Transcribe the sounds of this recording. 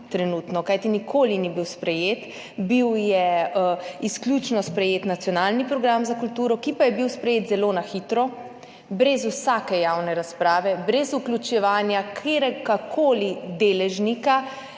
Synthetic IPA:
t̪ɾɛnuːt̪nɔkajt̪inikʰoːlinibiwspɾɛjeːt̪ | biwjɛ | isklʲut͡ʃnɔspɾɛjeːt̪nat̪sijɔnaːlnipɾɔɡɾamzakult̪uːɾɔkipajɛbiwspɾɛjeːt̪zɛloːnaxit̪ɾɔ | bɾɛzusaːkɛjawnɛɾaspɾaːʋɛbɾɛzuklʲut͡ʃɛʋaːnjakʰeɾɛɡakʰoːlid̪eːlɛʒnika

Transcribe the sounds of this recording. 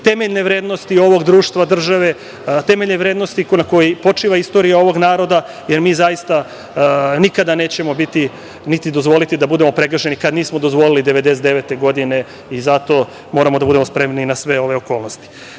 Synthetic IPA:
t̪e̞meʎne̞ʋɾeːd̪no̞st̪io̞ʋo̞ɡd̪ɾuːʃt̪ʋad̪r̩ʒaʋe̞ | t̪eme̞ʎneʋɾeːd̪no̞st̪inako̞jepo̞t͡ʂiːʋaist̪o̞ɾijao̞ʋo̞ɡnaːɾo̞d̪a | jeɾmiːzajist̪a | nikad̪ane̞ːt͡ɕemobit̪i | nit̪id̪ozʋo̞lit̪id̪abud̪emo̞pɾeɡrʃe̞nikad̪niːsmod̪ozʋo̞lilid̪e̞ʋe̞d̪e̞sed̪eʋet̪e̞ɡo̞d̪ine̞ | izat̪o̞ | mo̞ːɾamod̪abud̪e̞mo̞spɾe̞mninasʋe̞o̞ʋe̞oko̞ːlˠnost̪i̥

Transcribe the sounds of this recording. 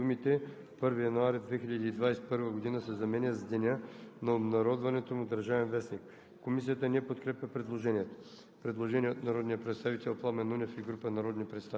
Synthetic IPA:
umit̪ɛ | pɤɾvijɐnuaɾid̪vɛxiʎʲɐd̪iːd̪vajsɛ̥pɤɾvəɡod̪inəsɛzɐmɛnʲəzd̪ɛnʲənɐobnɐɾɔd̪vɐnɛt̪omud̪əɾʒavɛnvɛsnik | kːomis̬ijət̪ənɛpot̪kɾɛpʲjəpɾɛd̪lˠoʒɛniɛt̪o̥ | pɾɛd̪lˠoʒɛniɛot̪nɐɾɔd̪nijəpɾɛt̪st̪avit̪ɛlˠplˠamɛnunɛfiɡɾupənɐɾɔd̪nipɾɛt̪st̪a

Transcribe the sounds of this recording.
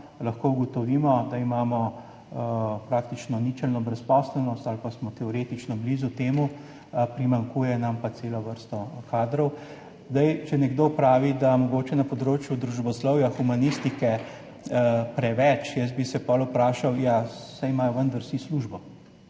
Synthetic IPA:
lɐxkoːuɡɔt̪ɔʋiːmɔd̪aimaːmɔ | pɾaːkt̪it͡ʃnɔnit͡ʃɛlnɔbɾɛspɔːsɛlnɔst̪alpasmɔt̪ɛɔɾet̪it͡ʃnɔbliːzut̪eːmu | pɾimaŋkuːjɛnampaseːlɔʋəɾst̪ɔkaːd̪ɾɔw | zd̪ajt͡ʃɛnɛɡd̪oːpɾaːʋid̪amɔɡoːt͡ʃɛnɐpɔd̪ɾoːt͡ʃjud̪ɾuʒbɔslɔwjaxumanist̪ikɛ | pɾɛʋɛt͡ʃjəsbisɛpɔlupɾaːʃawjasajmaːjɔʋənd̪aɾsisluʒbɔ

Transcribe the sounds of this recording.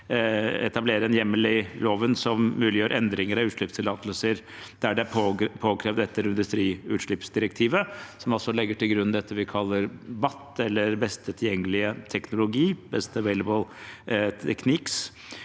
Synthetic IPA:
ɛ̰t̪ɑbleːɾəɛnjɛmːəlɪloːʋənsɔmmʉːlɪjøːɾʔɛnd̪ɾɪŋəɾɑʉːt̪ʂɭɪpst̪ʰɪlɑːt̪əlsəɾ | d̪̥æɖɛæppʰoːkʰɾeːʋd̪ɛt̪ːəɾɪnd̪ʉst̪ɾiːʉt̪ʂɭɪpsd̪ɪɾɛk̚t̪ʰiːʋəsɔmɔlsɔlɛɡːəʈɪlɡɾʉnd̪ɛt̪ʰːəʋɪkʰɑlːəɾbɑt̪ːɛlːəɾbɛst̪ət̪ʰɪljɛŋːəlɪət̪ʰɛknʊlʊɡiːbɛst̪əəʋeɪləbəlʰ | ɛkʰnɪks

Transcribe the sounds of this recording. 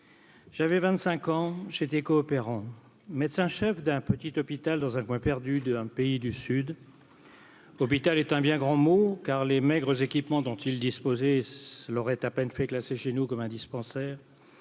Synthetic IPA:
ʒ̥avɛvɛ̃t̪sɛ̃kɑ̃ʒet̪ɛkɔːpeʁɑ̃ | mɛd̪sɛ̃ʃɛfd̪ɛ̃pət̪it̪ɔpit̪ald̪ɑ̃zɛ̃kwɛ̃pɛʁd̪yd̪ɛ̃peid̪ysyd̪ | ɔp̬it̪alɛt̪ɛ̃bjɛ̃ɡʁɑ̃mokaʁlemɛɡʁəzekʲipmɑ̃d̪ɔ̃t̪ild̪ispozɛslɔʁɛt̪apɛnfɛklaseʃenukɔmɛ̃d̪ispɑ̃sɛːʁ

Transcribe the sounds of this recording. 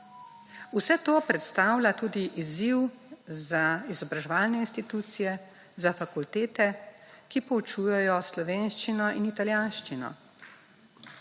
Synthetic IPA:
usɛt̪oːpɾɛt̪st̪awlʲat̪uːd̪iʔiziwzaizɔbɾaʒɛʋaːlnɛinst̪it̪uːt̪sijɛ | zafakult̪eːt̪ɛkipɔut͡ʃujɛjɔslɔʋeːnʃt͡ʃinɔʔinit̪aljanʃt͡ʃinɔ̰

